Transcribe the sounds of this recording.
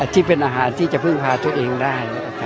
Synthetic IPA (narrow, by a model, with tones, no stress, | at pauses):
t̪ʰiː˥˩pe˧nʔaː˧ɦaː˩˦nt̪ʰiː˥˩t͡ɕa˨˧˦pʰɯ˥˩ŋpʰaː˧t̪u˧əʔeː˧ŋdaː˥˩ja˧˩kʰa˦˧˥